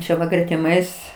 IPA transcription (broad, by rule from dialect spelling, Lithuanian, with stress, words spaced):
ˈt͡ʃʲɛ ʋɐ ɡrʲɛtʲɪˈmɐɪs